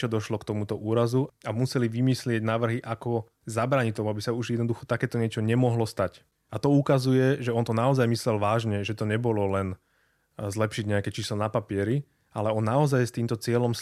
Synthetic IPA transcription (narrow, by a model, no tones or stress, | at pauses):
t͡ʃɔd̪ɔʃlɔkt̪ɔmut̪ɔʔuːɾazuamusɛliʋimislɪɛɟnaːʋr̩ɦiʔakɔ | zabɾaːɲit̪ɔmuabisauʒjɛd̪nɔd̪uxɔt̪akɛːt̪ɔɲɪɛt͡ʃɔɲɛmɔɦlɔst̪ac | at̪ɔukazujɛʒɛɔnt̪ɔnaɔzajmislɛlʋaːʒɲɛʒɛt̪ɔɲɛbɔlɔlɛn | zlɛpʃiɟɲɛakɛt͡ʃiːslɔnapapɪɛɾi | ʔalɛɔnːaɔzajst̪iːmt̪ɔt͡sɪɛlɔm